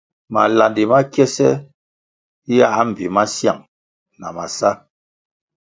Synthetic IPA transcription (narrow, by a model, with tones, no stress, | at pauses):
ma˨la˨ndi˨ma˦kjɛ˦sɛ˦ | ja˦˨˦m̩˨bi˨ma˦sja̰˨ŋ | na˨ma˨sa˦